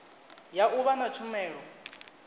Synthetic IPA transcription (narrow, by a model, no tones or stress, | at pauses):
jaʔuβanat͡ʃʰumɛːɺɔ